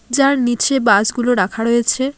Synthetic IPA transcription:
d͡ʑaɾnit͡ɕʰebad͡ʑɡuloɾakʰaɾojet͡ɕʰe

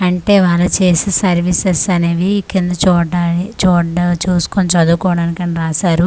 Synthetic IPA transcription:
ɐɳʈe̞ːʋaːlːɐt͡ʃeːsisɐɾʋisesɐneːʋikind̪ɐt͡ʃɔːɖaːit͡ʃɔːɖɐt͡ʃuːsu̥kont͡ʃɐd̪uːkɔːɽɐːnikɐniɾaːsaːɾu

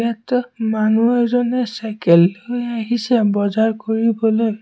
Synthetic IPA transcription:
atmanuɛzɔnɛsajkɛlːojaɦisɛbɔzaɹkoɹibɔloj

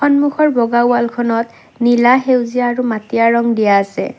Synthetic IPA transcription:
xɔnmuxɔɹbɔɡawalkʰɔnɔt | nilaɦewziaːɹumatijaɹɔŋdijaːsɛ̰

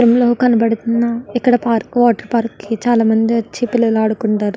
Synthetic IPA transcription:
ɾɐmlo̞ːkɐnibɐɽut̪unːɐikːɐɽɐpaːɾkʋaːʈɐɾpaːɾkːit͡ʃaːlaːmɐnd̪iʋɐt͡ʃːipilːɐlaːɽukuɳʈaːɾu

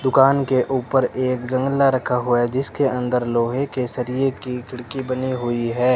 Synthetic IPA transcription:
d̪ʊkaːnkeʔuːpəɾeːkd͡ʒə̃ŋɡlaɾəkʰaɦuad͡ʒɪskeə̃nd̪əɾloːɦekesəɾijekikʰɪɽkibəniɦʊiɦɛː

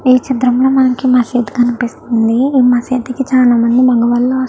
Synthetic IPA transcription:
iːt͡ʃid̪ɾɐmloːmɐnɐmkimɐseːt̪ɡɐnipist̪und̪iiːmɐseːt̪ikit͡ʃaːlaːmɐnd̪ibɐŋɡɐʋɐlːɐːɐs

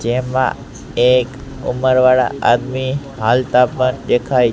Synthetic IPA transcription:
d͡ʒemã̰ | ekṵməɾʋaɽa̰ʔa̰d̪mi | ɦalt̪apənd̪ekʰaj

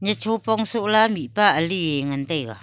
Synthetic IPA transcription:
ɲət͡ʃupɔŋsuʔlamiʔpaʔəlieŋənt̪eɣa̰

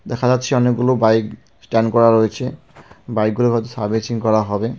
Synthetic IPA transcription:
dɛkʰazatsʰiɔneɡulobajk | stɛnkɔɹaɹojsʰɛ | bajk̚ɡulokʰɔjtusaɹbisiŋkɔɹaɦɔbɛ

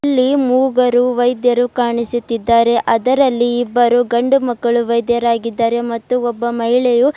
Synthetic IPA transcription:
lːimuːɡɐɾuʋɐjd̪jɐɾukaːɳisut̪ːid̪ːaːɾe̞ʔɐd̪ɐɾɐlːiːbːɐɾuɡɐɳɖumɐkːɐɭuʋɐjd̪jɐɾaːɡid̪ːaːɾe̞mɐt̪ːuɔbːɐmɐɦiɭeju

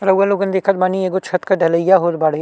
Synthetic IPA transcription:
ɾɐʋːaloːɡənd̪eːkʰət̪̚baːnieːɡot͡ʃʰɐt̪kɐɖʱɐləjaɦoːt̪baːɽe

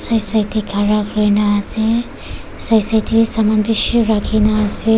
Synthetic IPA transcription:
sajsajt̪ʰikʰaɾakɾɯjnase | sajsajt̪ʰibisamanbisoɾakʰinaːse

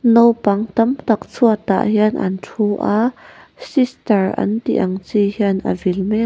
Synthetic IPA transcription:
nowpɐŋt̪ɐmt̪ɐk̚t͡sʰuət̪a̰ʔhiənʔɐ̰ntʰuʔa | sistəɹʔɐ̰nt̪ḭʔɐŋt͡sihiənʔə̰vilmɛ

